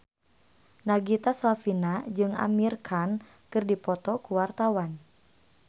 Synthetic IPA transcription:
naɡit̪aslafinad͡ʒɨŋa̰mirkʰan | kɨrdipɔt̪ɔkuwart̪awan

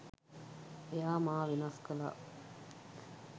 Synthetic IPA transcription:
ejaːmaːʋinaskɐla̰ː

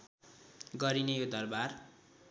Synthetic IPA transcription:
ɡʌɾinejod̪ʌrbar

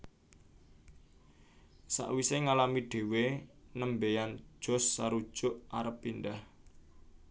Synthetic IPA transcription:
sa̰ʔwiseŋalamiɖ̥e̤wenəmbejan̥ʒ̥ɔ̤sːaɾud̥ʒ̥ʊʔaɾəpːindah

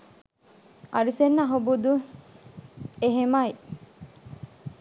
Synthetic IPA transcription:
ʔɐ̰ɾisenːɐɦobud̪u | eɦemɐi

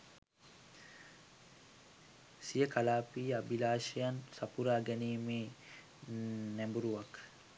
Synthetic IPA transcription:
sijəkalaːpiːabilaːʃejansapuɾaːɡɛniːmeː | næmbuɾuʋak

